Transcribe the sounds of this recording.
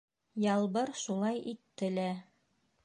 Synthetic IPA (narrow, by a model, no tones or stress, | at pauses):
jɑlˠβɤɾʃulˠɑjʔit̪ːɘ̆læ